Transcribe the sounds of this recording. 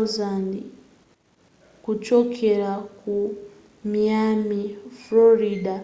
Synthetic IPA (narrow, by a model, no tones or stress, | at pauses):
zani | kut͡ʃokʰeɾaku | miamifloɾida